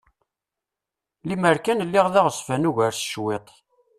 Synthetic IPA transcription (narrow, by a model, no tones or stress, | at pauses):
liməɾkænlːɪʁðɑʁəsˤfænuʝəɾsʃwet̪ˤ